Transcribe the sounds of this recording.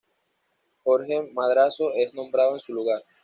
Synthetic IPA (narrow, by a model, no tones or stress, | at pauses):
xoɾxemaðɾasoʔe̞znõ̞mbɾaðoensuluɣaɾ